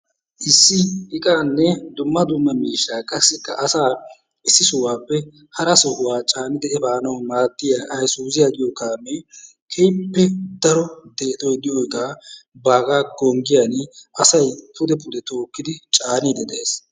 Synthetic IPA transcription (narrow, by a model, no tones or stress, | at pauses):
ʔɪsːɪɪkʼaːnːɛd̪ʊmːɐd̪ʊmːɐmiːʃːaːkʼɐsːɪkːɐʔɐsaː | ʔɪsːɪsʊwaːpːɛ | hɐɾɐsɔhʊwaːt͡ʃʼaːnɪd̪ɛɛbaːnɐwmaːd̪ːɪjaʔɐjsuːzɪjaɡɪjɔkaːme | kʰɛjpːɛd̪ɐɾɔd̪eːt̪ʼɔjd̪ɪjɔjkʼaːbaːɡaːɡɔŋɡɪjanʔɐsɐjpʰʊd̪ɛpʊd̪ɛt̪oːkːɪd̪ɪt͡ʃʼaːniːd̪ɛd̪ɛeːs